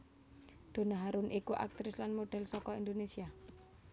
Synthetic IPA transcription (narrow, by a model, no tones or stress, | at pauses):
d̪̥o̤naɦaɾʊnʔikuʔa̰k̚t̪ɾɪslanmoɖ̥ɛ̤lsɔkɔind̪onesia